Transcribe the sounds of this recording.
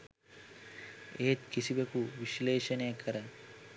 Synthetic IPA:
eːt̪kisibekuʋiʃleːʃɐnejɐkʰɐɾə

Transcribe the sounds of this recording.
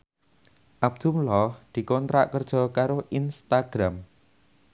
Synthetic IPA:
ʔab̚d̪̥umlɔhd̪̥i̤kɔnt̪ɾa̰ʔkərd̥ʒ̥ɔ̤kaɾoʔinst̪aɡ̥ɾam

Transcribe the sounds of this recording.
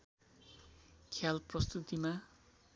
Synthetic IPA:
kʰjalprʌst̪ut̪ima

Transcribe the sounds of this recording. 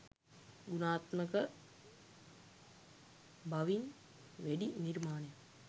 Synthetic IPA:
ɡunaːt̪məkə | baʋin | ʋæɖiniɾmaːnɐjə

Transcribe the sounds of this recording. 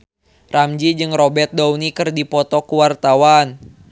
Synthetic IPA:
ramd͡ʒid͡ʒɨŋrɔbɛrt̪̚dawnikɨrdipɔt̪ɔkuwart̪awan

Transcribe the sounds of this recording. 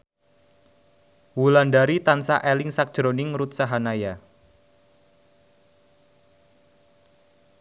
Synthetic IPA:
wulandaɾit̪ansaʔɛlɪŋsak̚ʒ̥ɾonɪŋɾut̪̚saɦanaja

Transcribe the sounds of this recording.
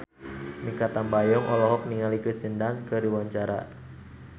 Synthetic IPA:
nikat̪ambajɔŋʔɔlɔɦɔk̚niŋalikəsindankəɾiwaɲt͡ʃaɾa̰

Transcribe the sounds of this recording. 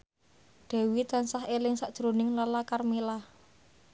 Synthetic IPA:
ɖ̪̥ɛ̤wit̪ansaɦelɪŋsaʔd̥ʒ̥ɾonɪŋlalakarmilah

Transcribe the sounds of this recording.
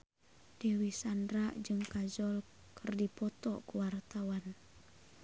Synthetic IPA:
d̥ɛwisandɾaʔd͡ʒɨŋkazɔl | kʰɨrdipɔt̪ɔkuwart̪awan

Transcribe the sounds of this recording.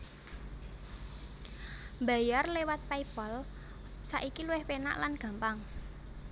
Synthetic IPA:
mba̤jarlewat̪̚paipɔl | saʔikiluwɪhpena̰ʔlanɡ̥a̤mpaŋ

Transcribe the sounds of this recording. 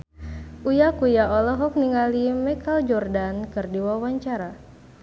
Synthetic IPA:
ʔujakujaɔlɔɦɔk̚niŋalimɛkald͡ʒɔrdankɨrdiwawaɲt͡ʃaɾa

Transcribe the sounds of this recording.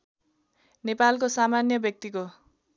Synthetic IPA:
nepalk̬osamanjʌbjʌk̚t̪iko

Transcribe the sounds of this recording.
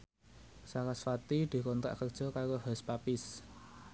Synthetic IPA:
sakasfat̪id̪̥i̤kɔnt̪ɾa̰ʔkərd̥ʒ̥ɔ̤kaɾohɛspapɪs

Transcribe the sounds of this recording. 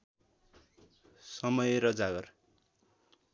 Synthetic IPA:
sʌmʌjeɾʌd͡zaɡʌr

